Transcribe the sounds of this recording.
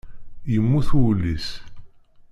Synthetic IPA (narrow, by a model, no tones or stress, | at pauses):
jəmːuθwlːis